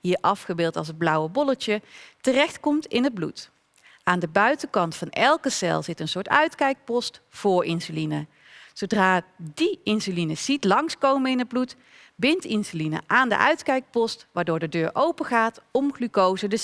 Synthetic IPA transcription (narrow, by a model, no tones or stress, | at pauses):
ɦiːɹʔɑfχəbɪːlˠtɑlˠs̬əd̚blʌwəbɔlət͡ʃətərɛxtkɔmtɪnɦəd̚blṵt | aːndəbœɥtəkɑntfɑnɛlˠkəsɛ̰lˠzɪtənsʊːɹtœɥtkɛjk̚pɔstfʊːɹɪnsylinə | sowdraːdiɪnsylinəz̥itlɑŋskowmənɪnɦəd̚blut | bɪntɪnsylinə̰ʔaːndə̰ʔœ̰ɥtkɛjk̚pɔstʋaːɹdʊːɹdədøːɹʔowpəχaːtɔmχlykowzədə